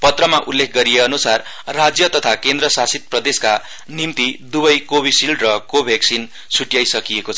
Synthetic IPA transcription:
pʌt̪rʌmaʔulːekʰɡʌɾijeʌnusarː | ad͡zjʌt̪ʌt̪ʰakend̪rʌsasit̪̚prʌd̪eska | nimt̪id̪ubʌjkobʱisilɖrʌkobʱjaksin | sʰuʈjajsʌkijekot͡sʰʌʌ

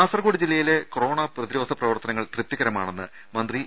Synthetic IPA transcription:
aːsrɐɣoːɽid͡ʑilːɐjile̞koro̞ːɳɐprɐðiɾo̞ːd̪ʱɐprɐʋɐrt̪ɐnɐŋːɐɭt̪rɨp̚t̪jɐɣɐɾɐma̰ːɳenːɨ | mɐnd̪ri

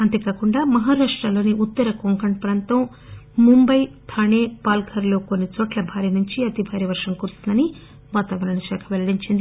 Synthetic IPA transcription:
ɐnt̪eːkaːkuɳɖaːmɐɦaːɾaːʂʈɾɐlo̞ːniʔut̪ːɐɾɐkoŋkɐɳpɾɐːnt̪ɐm | mumbɐjt̪ʰaːɳeːpaːlɡʰɐɾlo̞ːkonːit͡ʃɔːʈlɐbʱaːɾinuɲt͡ʃiɐt̪ibʱaːɾiɐʋɐɾʂɐmkuɾust̪und̪ɐni | ʋaːt̪aːʋɐɾɐɳɐʃɛːkʰɐʋelɐɽiɲt͡ʃind̪i

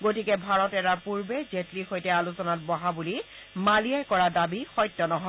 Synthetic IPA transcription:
ɡotikɛbʱaɹɔtɛtaɹpuɹbezetlixojtɛalusɔnatbɔɦabuli | malijajkɔɹadabixɔjtːɔnɔɦɔ

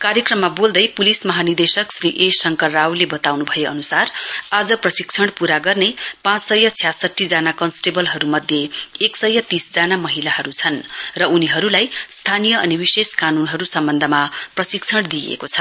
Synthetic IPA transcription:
kaɾjekrʌmːabold̪ʌjpulismʌɦanird̪esʌksriʔesʌŋkʌrːawlebʌt̪awnubʱʌjeʌ̰nusarad͡zʌprʌsikt͡sʰʌɽpuɾaɡʌrnepãt͡ssʌjʌt͡sʰjasʌʈʰːid͡zanakʌnsʈebʌlɦʌɾumʌd̪ʱjeeksʌjʌt̪isd͡zanamʌɦilaɦʌɾut͡sʰʌnrʌuniɦʌɾulajst̪ʰanijʌʌnibiseskanunɦʌɾusʌmbʌnd̪ʱʌmaprʌsikt͡sʰʌɽd̪iḛkot͡sʰʌ̥

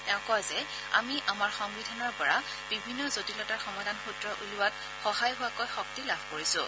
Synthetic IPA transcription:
ɛʊ̃kɔazɛ | a̰miʔamaɹxɔŋbidʱanɔɹpɔɹa | b̥ibʱinːɔzotilɔtaxɔmadʱanxutɹɔʔulʊwat̚ | xɔhajɦʊwakojxɔk̚tilabʱkoɹisʊ̃

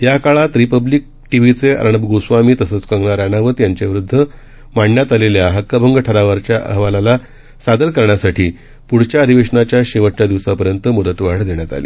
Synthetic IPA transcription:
ɦjakaɭat̪ɾipəblik̚ | ʈiʋit͡seə̰ɾɳəbɡosʋamiːt̪əsəːt͡skəŋɡɳaɾanaʋət̪jaɲt͡ɕaʋiɾud̪ʱːə | maɳɳjat̪aleljaɦəkːəbʱəŋɡəʈʰəɾaʋəɾt͡ɕjaʔə̰ɦʋalala | sad̪əɾkəɾɳjasaʈʰiː | puɽ̤t͡ɕjaəd̪ʱiʋeʂəɳat͡ɕjaɕeʋət͡ɕad̪iʋsapəɾjənt̪əmud̪ət̪ʋaɽd̪eɳjat̪a̰lḭː

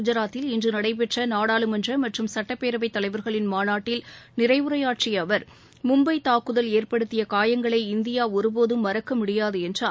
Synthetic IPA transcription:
ʊd͡ʒɐɾaːt̪ːɪlɪndrɯnɐɽɐɪp̬ɛʈrɐnaːɽaːlɯmɐndrɐmɐʈrɯmsɐʈːɐpːeːɾɐʋɐɪt̪ːɐlɐɪʋɐɾɣɐɭɪnmaːnaːʈːɪlnɪɾɐɪʋʊɾɐjaːʈt͡ʃɪjɐʋɐɾ | mʊmbɐɪt̪aːkːɯðɐleːrpɐɽɯt̪ːɪjɐkaːjɐŋɡɐɭɐɪɪnd̪ɪjaːɔɾɯboːðɯmːɐɾɐkːɐmʊɽɪjaːðɯɛndraː

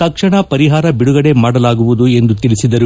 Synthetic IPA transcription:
t̪ɐkʂɐɳɐpɐɾiɦaːɾɐbiɽuɡɐɽe̞maːɽɐlaːɡuʋud̪ue̞nd̪ut̪iɭisid̪ɐɾu

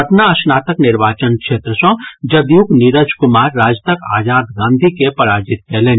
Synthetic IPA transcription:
əʈnaɐsnaːt̪əknɪɾʋaːt͡ʃənkʃeːt̪ɾəsɔ̃d͡ʒɐd̪jukniɾəd͡ʒkʊmaːɾːaːd͡ʒt̪əka̰ːd͡ʒaːd̪ɡãːnd̪ʱikepɐɾaːd͡ʒiɪt̪̚kɛɦleːn

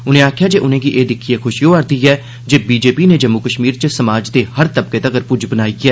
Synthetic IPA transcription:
ʊnẽːaːkʰjaːd͡ʒeːʔʊnẽːɡiʔeːd̪ɪkʰiexʰʊʃjoːəɾd̪iːɛː | d͡ʒeːbiːd͡ʒeːpineːd͡ʒəmːukəʃmiːɾt͡ʃəsəmaːd͡ʒd̪eːhəɾt̪əb̚keːt̪əɡəɾpʊd͡ʒbənaːiɛː

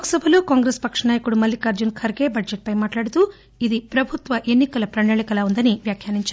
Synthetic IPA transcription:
ksɐbɐluːkaːŋɡɾeːspɐkʂɐnaːjɐkuɽumɐlːikaɾd͡ʒunkʰɐɾɡe̞ːbɐd͡ʒeʈ̚pɐjmaːʈlaːɽut̪u | id̪ipɾɐbʱut̪ʋɐʔe̞nːikɐlɐpɾɐɳɐːɭikɐlaːund̪ɐniʋjaːkʰjaːniɲt͡ʃaːɾu

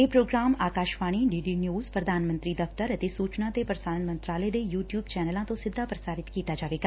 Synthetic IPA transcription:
epɾoːɡɾaːmaːkaːʃʋaːɽ̃iɖiːɖinjuːzpɾɐd̪ʱaːnmə̃nt̪ɾid̪ɐft̪əɾət̪isuːt͡ʃnãt̪epɾəsaːɾənmə̃nt̪ɾaːlejd̪ejuːʈjuːbt͡ʃɛːnəlãt̪osɪd̪ʱːapɾəsaːɾɪt̪kiːt̪ad͡ʒaːʋeːɡa

